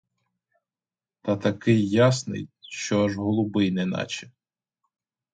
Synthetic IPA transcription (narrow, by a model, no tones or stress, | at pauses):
t̪ɐt̪ɐkɪjːasnɪ̰jʃt͡ʃɔɐʒɦɔlˠʊbɪjnɛnɑ̰t͡ʃɛ